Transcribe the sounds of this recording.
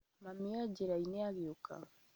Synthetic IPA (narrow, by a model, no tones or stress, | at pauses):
mamiaɟeɾaineaɣiokʰa̰